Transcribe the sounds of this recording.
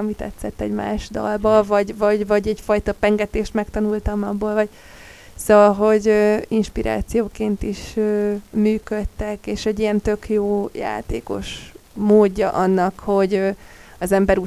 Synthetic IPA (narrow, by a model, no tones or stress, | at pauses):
ɒmit̪ɛ̰t̪sːɛt̪ːɛ̰ɟma̰ːʃd̪ɒ̰lbɒvɒɟvɒɟvɒɟɛcfɒjt̪ɒpɛŋɡɛt̪eːʃt̪mɛkt̪ɒnult̪ɒmɒbːoːlvɒɟ | soːɒlɦo̞ɟøinʃpiɾʔa̰ːt̪sijoːkeːnt̪iʃøːmyːkøt̪ːɛkeːʃɛɟːijɛnt̪ø̞kjoːja̰ːt̪ḛːko̞̰ʃmoːɟːɒʔɒnːɒkho̞ɟø | ɒzɛmbɛɾuː